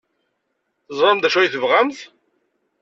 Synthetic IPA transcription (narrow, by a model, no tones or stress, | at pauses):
θəzˤɾˤɑmd̪æʃæjθəvʁæmθ